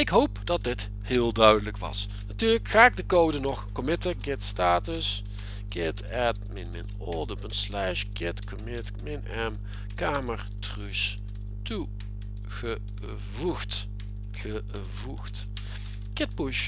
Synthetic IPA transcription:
ɪkɦowpdɑt̚dɪt | hɪːlˠdœɥdələkʋɑ̰s | natyːrləkxaːɪk̚dəkowdənɔχkɔmɪtəɡɪtstaːtəs | ɡ̥ɪt | ɛt̚mɪnmɪ̰n | ɔlˠdəbənslɛʃɡɪtkomɪtmɪnɛm | kaːməɹtrys | tu | ɣə | vut | ə | vuxt | ɡ̥ɪt̚puʃ

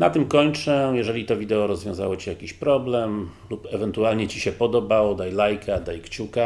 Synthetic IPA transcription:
nat̪ɘmkɔɲt͡ʂɛjɛʐɛlʲit̪ɔvʲid̪ɛɔɾɔzvʲjɔ̃w̃za̰wɔt͡ɕijakʲiɕpɾɔblɛmlupɛvɛnt̪ualɲɛt͡ɕiɕɛpɔd̪ɔbawɔd̪ajlajkʰad̪ajkt͡ɕuka

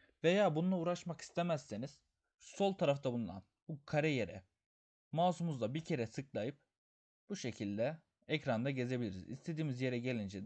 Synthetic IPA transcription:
ve̞jaːbunulˠauːɾaʃmaki̥st̪ʰemɛsːeniz̥ | so̞lˠt̪ʰaɾaft̪ʰabunld̪ˠa̰nbukʰaɾɛjeɾɛ̰ | maːsumuzd̪ˠabicʰe̞ɾɛsɯklˠajɯp̚ | b̥uʃe̞cʰilʲd̪ɛ | ɛcɾand̪aɟe̞ze̞bilʲiɾḭzḭst̪ʰe̞d̪iːmizje̞ɾɛɟe̞lʲind͡ʒɛ

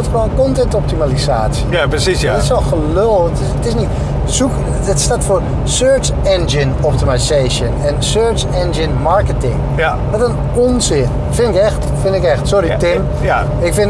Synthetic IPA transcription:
txʋoənkɔntɛntɔp̚timalisaːsəapsis | ɪsʋɔlˠxəlølˠtɪətɪsnit | suk | ətstaːtfoːr | søːɹt͡ʃ | ɛnd͡ʒɪnɔp̚timaseːʃənɛnsøːɹt͡ʃ | ɛnd͡ʒɪnmaɹkətɪŋ | ʋɔtən | ɔnsɪn | fɪnɪkɛxt | fɪnɪkɛxtsoɾitɪm | ɪkfɪn

